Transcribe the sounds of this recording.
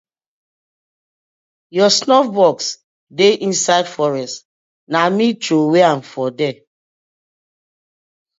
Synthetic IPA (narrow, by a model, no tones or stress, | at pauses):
jɔsnɔfbɔks | deʔĩnsaɪdfɔɹɛst | namitoweãnfɔdɛ